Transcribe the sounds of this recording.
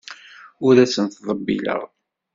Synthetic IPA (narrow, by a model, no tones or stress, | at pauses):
ʊɾæsənθðˤəbːḭlə̰ʁ